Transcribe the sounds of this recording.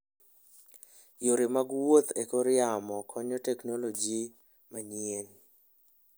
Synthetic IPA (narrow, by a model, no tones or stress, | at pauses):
joɾɪmaɡwot̪ekoɾɪamɔkʰɔɲɔtɛknolod͡ʒi | maɲien